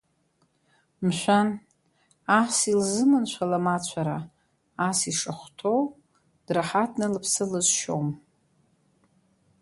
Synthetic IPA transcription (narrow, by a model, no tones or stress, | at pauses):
mʃʷᶣan | asilzɨmɨnt͡ɕʷʰalamat͡ɕʷʰaɾaː | siʂaχʷtʰow | d̥raħatʰnɨlɨpʰsɨlɨzʃo̰m